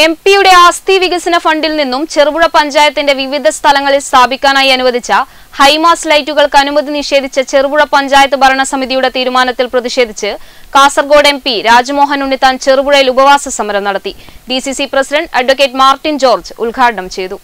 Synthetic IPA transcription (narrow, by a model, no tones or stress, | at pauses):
e̞mpijuɽe̞aːst̪ʰiʋiɣɐsinɐfɐɳɖilninːumt͡ɕerɨbuɻɐpɐɲd͡ʑaːjɐt̪ːinde̞ʋiʋid̪ʱɐst̪ʰɐlɐŋːɐɭilst̪ʰaːbʱikʲːaːnaːjiɐnuʋɐd̪ʱit͡ɕːɐ | hɐjmaːslɐjtːuɣɐɭkɐnumɐd̪ʱiniʂe̞ːd̪ʱit͡ɕːɐt͡ɕerɨbuɻɐpɐɲd͡ʑaːjɐt̪ːɨbʱɐɾɐɳɐsɐmiðijuɽe̞t̪iːɾumaːnɐt̪ːilprɐðiʂe̞ːd̪ʱit͡ɕːɨkaːsɐrɡo̞ːɽe̞mpiɾaːd͡ʑɐmo̞ːɦɐnunːit̪aːnt͡ɕerɨbuɻɐjilubɐʋaːsɐsɐmɐɾɐmnɐɽɐt̪ːiɖisisiprɐsidɐɳɖɐɖʋɐk̬ːeːʈːmaːrʈːind͡ʑo̞ːrd͡ʑɨulɡʱaːʈɐɳɐmt͡ɕe̞jt̪u